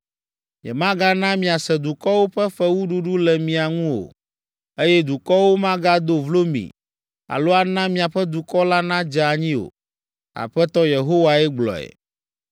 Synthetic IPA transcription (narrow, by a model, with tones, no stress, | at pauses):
ɲɛ̰˨mã˦ɡa˦nã˦mĩ˨a˨sɛ˨d̪u˨kɔ˦wo˦ɸɛ˦ɸɛ˦wu˦ɖu˦ɖu˦lɛ˨mĩ˨a˨ŋũ˦o̰˨ | e˦jɛ˦d̪u˨kɔ˦wo˦mã˦ɡa˦d̪o˦vlo˦mḭ̃˨ | a̰˨lo˦a˨nã˦mĩ˨a˨ɸɛ˦d̪u˨kɔ˦la˦nã˦d͡ʒa˨a˨ɲĩ˦o̰˨ | a̰˨ɸɛ˦t̪ɔ˦je˨ɦo˦wa˨ɛ˦ɡ͡blɔ̰˨ɛ̰˨